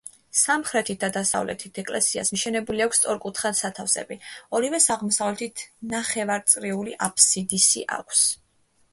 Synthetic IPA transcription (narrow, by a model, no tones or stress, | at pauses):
samχɾɛt̪ʰit̪̚d̪ad̪asa̰vlɛ̰t̪ʰit̪ʰɛkʼlɛsia̰smiʃɛnɛbuliakʰʷst̪sʼɔɾkʼut̪ʰχansat̪ʰafsɛ̰biɔɾivɛsaʁmɔsavlɛt̪ʰit̪ʰnaχɛvaɾt̪sʼɾiuliʔapʰsid̪isḭʔa̰kʷʰs